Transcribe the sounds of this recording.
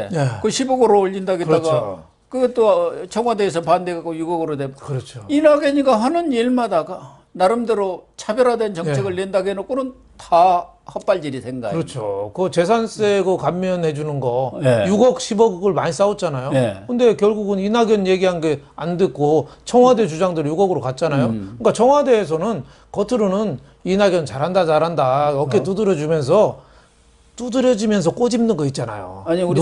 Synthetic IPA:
ejekɯɕʰibʌɡɯɾoːʎːindaɡeɯaɡa | kɯɡet͈ot͡ɕʰʌŋɦwades̬ʰʌpandeɡakojuɡʌɡɯɾodekɯɾʌt͡ɕʰoinaɡjʌɲiɡaɦanɯniɭmadaɡa | naɾɯmdɯɾot͡ɕʰabjʌɾadwent͡ɕʌt͡ɕʰe̞ɡɯɭːendaɡeenok͈onɯn | ta | hʌp͈aɭd͡ʑiɾisʰe̞ŋɡa̰ɯɾʌt͡ɕʰokɯt͡ɕe̞s̬ʰans͈eɡɯkamːjʌnhe̞d͡ʑunɯnɡʌjuɡʌk̚ɕʰibʌɡɡɯɭmaɲis͈aot͡ɕ͈anajokʰɯnde̞kjʌɭɡuɡɯninaɡjʌnje̞ɡiɦanɡe̞andɯk͈ot͡ɕʰʌŋɦwade̞t͡ɕud͡ʑaŋdɯɾjuɡʌɡɯɾokat̚t͡ɕ͈anajokɯk͈at͡ɕʰʌŋɦwade̞ːs̬ʰʌnɯn | kʌtʰɯɾonɯn | inaɡjʌnt͡ɕaɾɦandad͡ʑaɾɦandaʌk͈et͈udɯɾjʌd͡ʑumjʌns̬ʰʌ | t͈udɯɾjʌd͡ʑimjʌns̬ʰʌk͈od͡ʑimnɯnɡʌit̚t͡ɕ͈ana̰jo̰ɲ

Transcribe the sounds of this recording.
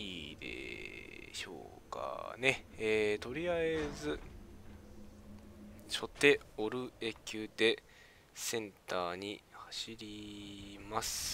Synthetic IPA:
iːd̪ḛ | ɕo̞̰ːka̰ne̞eːt̪o̞ɾʲiaed͡zɨ | ɕo̞t̪ːe̞o̞ɾɯ̟ekʲɨːd̪e̞ | sẽ̞nt̪aːɲ̟ihaɕiɾʲimasɨ̥

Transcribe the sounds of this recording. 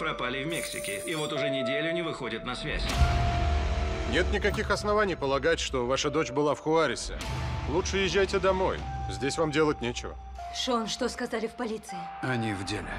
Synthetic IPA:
pɾɐpalʲɪvmʲeksʲɪkʲɪɪvo̞t̪ʊʐɛnʲɪdʲelʲʊnʲɪvɨxo̞dʲɪt̪nɐsvʲæ̰sʲ | nʲe̞t̪nʲɪkɐkʲixɐsnɐvanʲɪjpəlˠɐɡatʲʂt̪o̞vaʂəd̪o̞t͡ɕbɨlˠafxʊaɾʲɪsʲɪ̰lˠutʂɨjɪʒʲːæjtʲɪd̪ɐmo̞̰jzʲdʲesʲvamdʲe̞lˠət̚ʲnʲet͡ɕɪvə̰ | ʂonʂt̪oskɐzalʲɪfpɐlʲit̪sɨɪɐnʲivdʲelʲɪ

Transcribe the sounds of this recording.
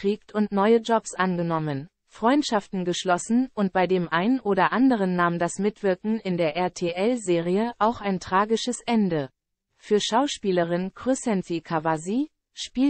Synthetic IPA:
kʁ̥iːk̚tʰʊntnɔʏəd͡ʒɔpsʔanɡənɔmən | fʁ̥ɔʏntʃaftn̩ɡəʃlɔsn̩ʔʊnt̚b̥aɪdeːmʔaɪnənʔoːɾɐʔandəʁ̞ənːaːmndasmɪtv̥ɪɐkŋ̩ɪndeːɐʔɛɐtʰeːʔɛlzeːʁiəʔaʊxaɪntʁ̥aːɡɪʃəsʔɛndə | fyːɐʃaʊʃpiːləʁ̞ɪnkʁ̥ysɛnfikʰavazi | ʃpiː

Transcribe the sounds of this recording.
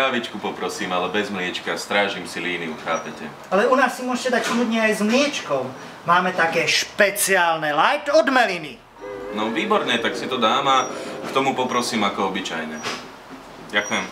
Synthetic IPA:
aːʋit͡ʃkupɔpɾɔsiːmalɛbɛzmlɪɛt͡ʃkast̪ɾaːʒimsiliːniuxaːpɛcɛ | alɛunaːsːimʊɔʒcɛd̪acsuːd̪ɲɛajzmlɪɛt͡ʃkɔʊ | maːmɛt̪akɛːʃpɛt͡siaːlnɛlajt̪ɔd̪mɛlini | nɔʋiːbɔɾɲɛt̪aksit̪ɔd̪aːmakt̪ɔmupɔpɾɔsiːmakɔɔbit͡ʃajɲɛ | ɟakujɛm

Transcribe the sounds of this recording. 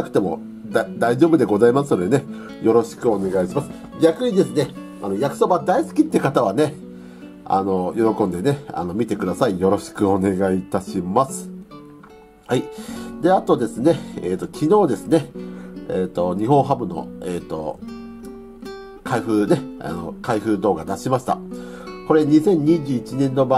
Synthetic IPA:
akɯ̟̥t̪e̞mo̞̰ | ad̪aiʑo̞ːbɯ̟d̪e̞ɡo̞zaimasɨnod̪e̞ne̞ | jo̞ɾo̞ɕi̥kɯ̟o̞ne̞ɡaiɕimasɨ̥ | ɡʲakɯ̟ɲ̟id̪e̞sɨne̞ | anojakɯ̟̥so̞bad̪aisɨ̥kʲit̪ːekat̪aβ̞ane̞ | a̰no̞jo̞ɾo̞kõ̞nd̪e̞ne̞a̰no̞mʲit̪e̞kɯ̟d̪asaijo̞ɾo̞ɕi̥kɯ̟o̞ne̞ɡait̪aɕimasɨ̥ | haid̪e̞at̪o̞d̪e̞sɨne̞eːt̪ːo̞kʲʰino̞ːd̪e̞sɨne̞eːt̪o̞ɲ̟iɦõ̞ɰ̃ɦabɯ̟no̞̰eːt̪ːo̞̰ | kʰaiɸɯ̟ne̞a̰no̞̰kaiɸɯ̟ːd̪o̞ːɡad̪aɕimaɕi̥t̪a̰ | ko̞ɾe̞ɲ̟isẽ̞ɲ̟ːiʑɨːit͡ɕinẽ̞nːo̞ba

